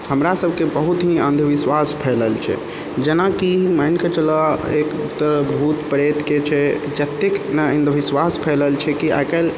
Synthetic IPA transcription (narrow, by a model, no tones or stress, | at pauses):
həmɾasəbʱkebəɦut̪ɦiə̃nd̪ʱəʋiswaspʰɛləlt͡ʃʰɛ̰ | d͡ʒenakimajnket͡ʃəlɔekut̪ːəɾbʱut̪pɾet̪ket͡ʃʰɛd͡ʒət̪ːeknəə̃nd̪ʱəʋiswaspʰɛləlt͡ʃʰɛkia̰kəl